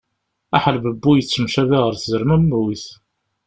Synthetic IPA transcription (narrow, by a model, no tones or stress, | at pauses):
æħəlbəbːujət͡sːəmʃæviʁəɾθzəɾmæmːwiθ